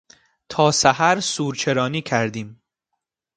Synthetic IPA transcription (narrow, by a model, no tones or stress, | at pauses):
t̪ʰɒːsæhæɾsuːɾt͡ʃʰe̞ɾɒːniːcʰæɾd̪iːm